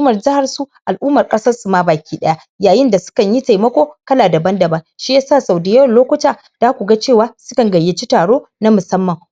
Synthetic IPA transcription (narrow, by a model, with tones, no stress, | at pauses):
mɐ˨rd͡ʒɪ˦ha˨rsu˦ʔa˨lʔuː˦mɐ˨rkʼɐ˦sɐ˦rsu˨ma˦baː˨kʲiː˦ɗɐ˦ja˦ʔjaː˨jɪ˦nda˨sʊ̥˦kɐ˨ɲji˦ta˨jmɐ˦kʷoː˦kɐ˦laː˨dɐ˨bɐ˦ndɐ˨bɐ˦ŋʃi˦ja˦saː˦˨sa˨wdi˨ja˦wɐ˨nloː˦kʷʊ˦taː˨ | d̥aː˦kʷu˨ɡa˦t͡ʃeː˦˨waː˨˦sʊ̥˦kɐ˨ŋɡɐ˨jːɪ˦t͡ʃi˦taː˨ɽoː˦ | na˦mʊ˨sɐ˦mːɐ˨ŋ